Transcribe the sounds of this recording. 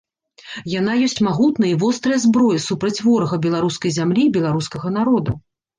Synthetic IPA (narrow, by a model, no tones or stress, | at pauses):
jan̪ajɔsʲt͡sʲmaɣut̪nɐivɔst̪ɾɨjɐzbɾɔjɐsupɾɐt͡sʲvɔɾɐɣɐbʲɛlˠaɾuskɐjzʲamlʲibʲɛlˠaɾuskɐɣɐnaɾɔd̪u